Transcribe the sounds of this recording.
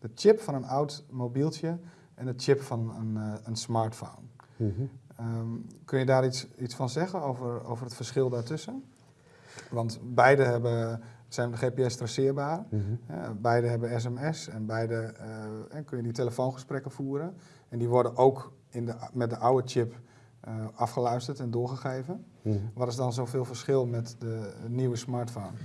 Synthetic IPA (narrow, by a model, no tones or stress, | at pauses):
d̥ətɪpfɔnənawtmowbilˠtjə | ʔɛnətt͡ʃɪpfɔnəənsmaɹtfo̰wn | əkønjədaːɾisisfɔnzɛɣənowvəro̰wvərətfərsχɪlˠdaːɹtøsən | ʋɑntbɛjdəɦɛbəsɛjnxeːpeɛstrɛsɪərbaːɾəhɛ̰bɛjdəɦɛbənɛs̬ɛmɛsɛnbɛjdə | ɛkønjəditeləfoːnχəsprɛkəfuːɾən | ɛndiʋɔrdənʔowk | ɪndəmɛt̚dəʔawət͡ʃɪp | əɑfχəlœɥstətɛndʊəχəxeːvən | ʋɔtɪsdɔnzowvɪːlˠvərsχɪlˠmɛtdəniwəsmaːɹtfoːn